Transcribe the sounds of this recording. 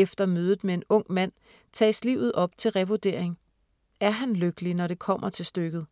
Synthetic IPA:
efd̥ɐmøːð̞ˠð̩ˠmee̝nɔ̽ŋ̰mæn̰ | t͡sʰɛ̰ːsliʊð̞̩ˠɒ̽b̥t͡sʰe̝lʁɛʋod̥e̝ɐ̰e̝ŋ | æɐɦænløɡ̥əlinɒɾe̝kʰɒ̽m̰ʔɐt͡sʰe̝lsd̥øɡ̥ð̩ˠ

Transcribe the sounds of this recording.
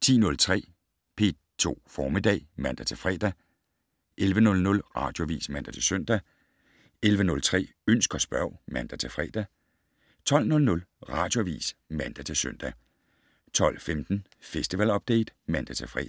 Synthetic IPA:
t͡sʰḭːnɔ̽lt͡sʰʁɛ̰ː | pʰe̝ː | t͡sʰo̝̰ːfɒːmid̥ɛ̰ːmæn̰d̥æt͡sʰe̝lfʁɛ̰ːd̥æ | ʔelʋənɔ̽lnɔ̽lʁɑ̰̈d̥jo̝æʋḭːsmæn̰d̥æt͡sʰe̝lsøn̰d̥æ | elʋənɔ̽lt͡sʰʁɛ̰ː | øn̰sɡ̥ɒsb̥ɶɐ̰mænd̥æt͡sʰe̝fʁɛ̰ːd̥æ | t͡sʰɒ̽l̰nɔ̽lnɔ̽lʁɑ̈ːd̥jo̝æʋḭːsmænd̥æt͡sʰe̝lsøn̰d̥æ | t͡sʰɒ̽l̰femd̥n̩ | fesd̥iʋælɒ̽b̥̚d̥ḛɪd̥mænd̥æt͡sʰe̝lfʁɛ̰

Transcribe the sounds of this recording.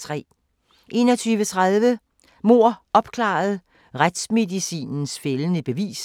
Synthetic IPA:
t͡sʰʁɛ̰ː | ʔe̝nɒt͡sʰyːʋət͡sʰʁaðˠʋə | mo̝ɐ̰ɒ̽b̥kʰlɑ̰̈ð̞̩ˠ | ʁad̥sme̝ðisḭːnn̩sfelənəb̥e̝ʋḭːs

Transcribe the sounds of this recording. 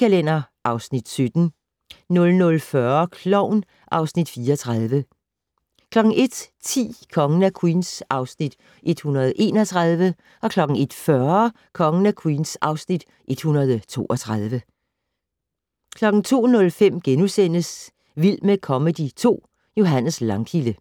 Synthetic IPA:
ælen̰ɐʔɑ̈ʊsnid̥sød̥n̩ | nɔ̽lnɔlfɶɐkʰlɒʊn | ʔɑ̈ʊsnid̥fiːɐt͡sʰʁað̞ˠʋə | kʰlɒ̽ɡ̥ŋ̩ʔe̝d̥t͡sʰḭːkʰɒ̽ŋənækʰwiːnsʔɑ̈ʊsnid̥ | ʔe̝d̥hunɐð̞̩ˠʔe̝̰ːnɒ̽t͡sʰʁaðˠʋə | ʔɒ̽kʰlɒ̽ɡ̥n̩e̝d̥fɶɐ | kʰɒ̽ŋənækʰwiːnsɑ̈ʊsnid̥ | ʔe̝d̥hunɐð̞ˠt͡sʰo̝̰ːʔɒt͡sʰʁað̞ˠʋə | kʰlɒ̽ɡ̥n̩t͡sʰo̝̰ːnɔ̽lfem̰ɡ̥enusen̰əs | ʋilmekʰɒ̽məd̥it͡sʰo̝̰ː | jo̝ɦæn̰əslɑ̈ŋkʰilə

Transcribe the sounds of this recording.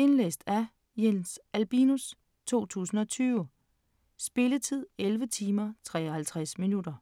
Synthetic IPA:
e̝nlḛːsd̥æ | jensʔælb̥inus | t͡sʰo̝̰ːt͡sʰṵːsn̩ɒ̽t͡sʰyːʊə | sb̥e̝lət͡sʰið̰ˠelʋət͡sʰiːmɐt͡sʰʁɛ̰ːɒhælt͡sʰʁasminud̥ɐ

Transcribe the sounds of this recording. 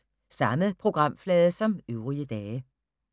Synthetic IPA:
sɑ̈məðpʰʁo̝ɡ̥ʁɑ̈m̰flɛːðˠsɒ̽møʊʁiəd̥ɛː

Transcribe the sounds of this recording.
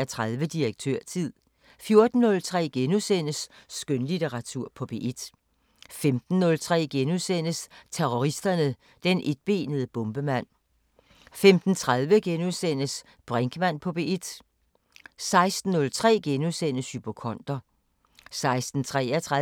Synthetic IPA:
ɐt͡sʰʁaðˠʋəd̥ieɡ̥̚t͡sʰøɐ̰t͡sʰið̰ˠ | fjo̝ɐd̥n̩ːɔ̽lt͡sʰʁɛ̰ːɡ̥enusen̰əsːɡ̥ønlit͡sʰeʁɑ̈t͡sʰuɐ̰pʰɒ̽b̥e̝ʔid̥ | femd̥n̩ːɔ̽lt͡sʰʁɛ̰ːɡ̥enusen̰əst͡sʰeʁoʁisd̥ɐnə | d̥enʔe̝d̥̚b̥e̝ːnəð̞ˠəb̥ɔ̽mb̥əmæn̰ | femd̥n̩t͡sʰʁaðˠʋəɡ̥enuðˠsen̰əs | b̥ʁɛŋɡ̥əmæn̰pʰɒ̽b̥e̝id̥ | sɑ̈ɪsd̥n̩ːɔ̽lt͡sʰʁɛ̰ːɡ̥enusen̰əshyb̥okʰɒ̽n̰d̥ɐ | sɑ̈ɪsd̥n̩t͡sʰʁɛ̰ːɐt͡sʰʁa

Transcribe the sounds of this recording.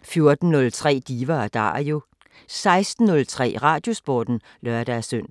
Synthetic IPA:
fjo̝ɐd̥n̩ːɔ̽lt͡sʰʁɛ̰ːd̥iːʋɐd̥ɑ̰̈ːjo̝ | sɑ̈ɪsd̥n̩ːɔ̽lt͡sʰʁɛ̰ːʁɑ̈ːd̥jo̝sb̥oːd̥n̩ | lɶɐd̥æɐsøn̰

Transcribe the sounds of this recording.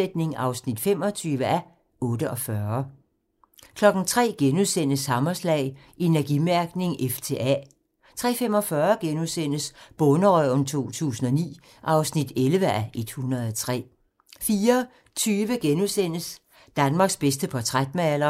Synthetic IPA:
ed̥̚ne̝ŋɑ̈ʊsnid̥fem̰ɒt͡sʰyːʋəæ | ʔɔ̽ːdəʔɒ̽fɶɐɐ | kʰlɒ̽ɡ̥n̩t͡sʰʁɛ̰ːɡ̥enuðˠsen̰əshɑ̈mɐslɛ̰ːɪ | ʔe̝næɐɡ̥imæɐɡ̥ne̝ŋʔeft͡sʰḛːæ | t͡sʰʁɛ̰ːfem̰ɒ̽fɶɐɡ̥enusen̰əsb̥ɔ̽nəʁœʊ̰nt͡sʰo̝̰ːt͡sʰṵːsn̩ɒ̽nḭː | ʔɑ̈ʊsnid̥elʋəæʔe̝d̥hunʁɐð̩ˠɒt͡sʰʁɛ̰ː | fiːɐ | t͡sʰyːʋəɡ̥enuðˠsen̰əs | d̥ænmɑ̈ːɡ̥sb̥esd̥əpʰɒt͡sʰʁad̥mæælɐ

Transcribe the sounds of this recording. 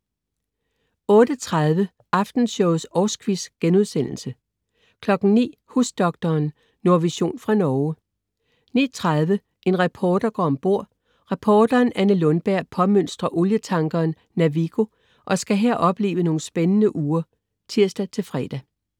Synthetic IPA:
ɔ̽ːd̥ət͡sʰʁaðˠʋə | ʔɑ̈fd̥n̩ɕɔʊsɒːsɡ̥ʋisɡ̥enuð̞ˠsen̰l̩sə | kʰlɒ̽ɡ̥n̩nḭːhusd̥ɒ̽ɡ̥̚d̥ɐːnː | o̝ɐʋiɕo̝̰ːnfʁɑ̈nɒː | nḭːt͡sʰʁaðˠʋə | ʔe̝nʁɑpʰɒːd̥ɐɡ̥ɒ̰ːɒ̽mb̥o̝ɐ̰ | ʁɑpʰɒːd̥ɐːnænəlɔ̽nb̥æɐ̰pʰɒ̽møn̰sd̥ʁɐʔo̝ljət͡sʰɑ̈ŋɡ̥ɐːnːæʋiɡ̥o̝ | ʔɒ̽sɡ̥æɦeɐ̰ʔɒ̽b̥le̝̰ːʋəno̝ːn̩sb̥enənəʔuːɐ | t͡sʰiɐ̰sd̥æt͡sʰe̝lfʁɛːd̥æ

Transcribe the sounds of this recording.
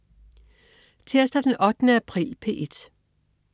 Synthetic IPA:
t͡sʰe̝ɐ̰sd̥æd̥enʔɒ̽d̥nəæpʰʁḭːlpʰe̝̰ːʔed̥

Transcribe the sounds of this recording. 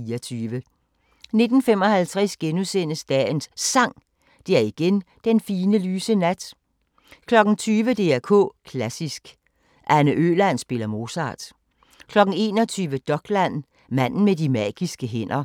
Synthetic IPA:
iɐt͡sʰyːʋə | ne̝d̥n̩femɒ̽hælt͡sʰʁɛsɡ̥enusen̰əsd̥ɛ̰ːnsːɑ̈ŋ̰ | d̥e̝æɐiɡ̥en | d̥enfiːnəlyːsənæd̥ | kʰlɒ̽ɡ̥n̩t͡sʰyːʋəd̥e̝æɐkʰɔ̰̽ːkʰlæsisɡ̥ | ʔænəʔø̰ːlæn̰sb̥e̝lɐmo̝sɑ̰̈ːd̥ | kʰlɒ̽ɡ̥n̩e̝̰ːnɒt͡sʰyːʋəd̥ɒ̽ɡ̥læn̰ | mæn̰n̩medimæ̰ːɡ̥isɡ̥əɦen̰ɐ

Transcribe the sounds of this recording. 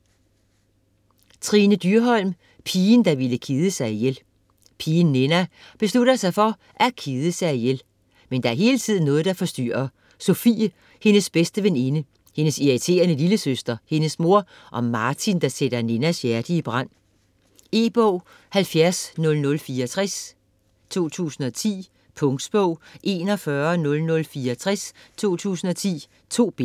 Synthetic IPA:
t͡sʰʁiːnəd̥yɐɦɒ̽l̰m | pʰiːnd̥ɑ̈ʋiləkʰiːð̞ˠəsɑ̈ɪjel | pʰiːnːe̝næb̥e̝sluɾ̥ɐsɑ̈ɪfɒ̽ | ʔækʰiːð̞ˠəsɑ̈ɪjel | mend̥ɑ̈æɐɦe̝ːlət͡sʰið̞̰ˠn̩ːɔ̽ːð̩ˠd̥ɑ̈fɒ̽sd̥y̰ɐɐ | sofḭː | he̝nəsb̥esd̥əʋene̝nə | he̝nəsiʁit͡sʰe̝̰ːɐnəliləsøsd̥ɐhe̝nəsmo̝ɐ̰ | ʔɒ̽mɑ̈ːt͡sʰind̥ɑ̈seɾ̥ɐne̝næsjæɐd̥iːb̥ʁɑ̈n̰ | e̝ːb̥ɔʊ̰ | hælfjæɐsnɔ̽lnɔ̽lfiːɐɒt͡sʰʁas | t͡sʰo̝̰ːt͡sʰṵːsn̩ɒ̽t͡sʰḭː | pʰɔ̽ŋd̥sb̥ɔʊ̰ʔe̝ːnɒ̽fɶːɐnɔ̽lnɔ̽lfiːɐɒt͡sʰʁɛst͡sʰo̝̰ːt͡sʰṵːsn̩ɒ̽t͡sʰḭː | t͡sʰo̝̰ːb̥e

